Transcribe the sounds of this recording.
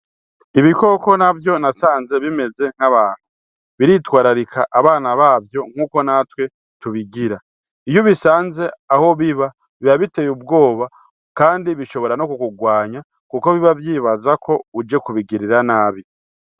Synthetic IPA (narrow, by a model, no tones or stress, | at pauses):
iβiko̞ko̞navjo̞nasaːnze̞βime̞ze̞ŋ̥haβaːn̥hu | βiɾitwaːɾaɾikʰaʔaβaːnaβaːvjo̞ŋ̥huːko̞natwe̞ | tuβiɡiɾa | ijoβisaːnze̞aho̞βiβa | βiβaβite̞jub̚ɡo̞ːβa | kaːndiβiʃo̞βo̞ɾanokukuɡwaːɲa | kuko̞βiβavjiːβazakʰo̞ud͡ʒe̞kuβiɡiɾiɾanaːβi